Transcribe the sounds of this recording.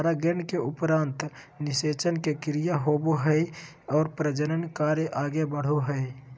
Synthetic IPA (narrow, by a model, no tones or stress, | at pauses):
ɾaɡenkeʊpɾaːnt̪ | nɪset͡ʃənkekɾijaɦoboɦəj | ɔːɾpɾəd͡ʒəɾənkaɾjeʔaːɡebəɽ̤oɦə